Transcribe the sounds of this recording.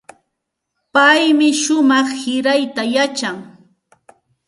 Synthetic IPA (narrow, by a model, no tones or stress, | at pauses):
pajmɪʃʊmɑχhɪɾajt̪ajat͡ʃaŋ